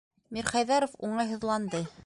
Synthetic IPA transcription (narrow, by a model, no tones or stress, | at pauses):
miɾχɑjðɑɾofuɴɑjɦŏðlˠɑnd̪ɤ